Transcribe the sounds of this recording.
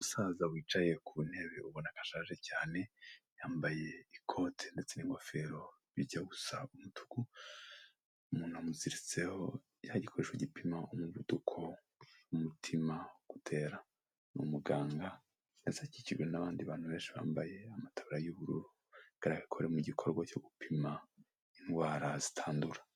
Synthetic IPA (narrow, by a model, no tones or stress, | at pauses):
uusaːzawiːt͡ʃaje̞kʰuun̥e̞βeuβonakḁʃaːʒe̞caːne̞jaːmbaje̞ikʰo̞tʰende̞t͡se̞niŋɡo̞fe̞ɾo̞ | βiɟaɡusaumutʰu̥ɡ̥u | umuːnhuamuziɾit͡se̞ho̞ | jaɟikʰo̞ɾe̞ʃweɟipimaomuβudukʰo̞ | umutʰimaɡ̥utʰe̞ːɾa | nṵmuɡaːŋɡa | jazaciciɾwenaβaːndiβaːn̥huβe̞ːnʃiβa̰ːmbaje̞amatʰaβaɾajuβuɾṵɾu | ɡ̥aɾaɡakʰo̞ɾemuɟikʰo̞ɾɡwat͡ʃo̞ɡupʰima | inɡwaːɾazi̥tʰaːnduɾa